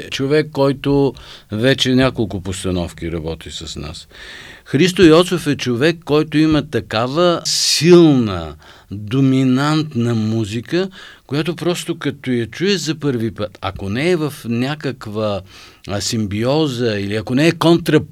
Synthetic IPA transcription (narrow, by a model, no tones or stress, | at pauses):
t͡ʃovɛkːɔjt̪ovɛt͡ʃɛnʲakolˠkʊpost̪ɐnɔfk̟iɾɐbɔt̪isɐsna̰sxɾis̬t̪oiɔt̪sofɛt͡ʃovɛkːɔjt̪ʊimɐt̪ɐkavəsilˠnə̰ | d̪ominant̪nəmuzikəkojat̪opɾɔst̪okɐt̪ojɐt͡ʃuɛzɐpɤɾvipət̪ɐ̰konɛːvɐfnʲakəkvə | simbiɔzəiliɐkonɛːkont̪ɾɐ